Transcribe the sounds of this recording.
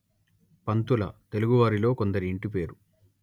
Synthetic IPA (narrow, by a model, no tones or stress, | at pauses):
pɐnt̪ulɐ̰t̪e̞luɡuʋaːɾilo̞ːkond̪ɐɾiːɳʈip̬e̞ːɾu